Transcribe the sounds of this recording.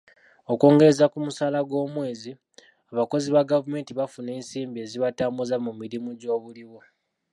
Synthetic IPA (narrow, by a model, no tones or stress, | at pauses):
o̞ko̞ːŋɡe̞ɾezakumusaːlaɡwo̞ːmwe̞ːzi | aβako̞ziβaɡavume̞ːntiβafune̞ːnsiːmbie̞ːziβataːmbuzamumiɾimuɟo̞ːβuliwo